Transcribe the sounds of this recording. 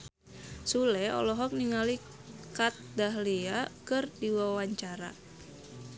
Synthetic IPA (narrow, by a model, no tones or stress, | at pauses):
sulɛɔ̰lɔɦɔk̚niŋali | kat̪̚daɦliakɨrdiwawaɲt͡ʃaɾa̰